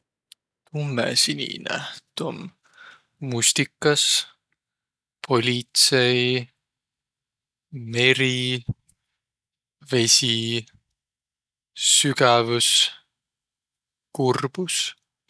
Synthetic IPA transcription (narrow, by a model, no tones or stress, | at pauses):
t̪umːḛsinʲḭnæ̰t̪omː | ust̪ikːˑɑs | pʰo̞lʲit̪sej | me̞ɾi | ve̞sʲi | yɡævus | kurb̥us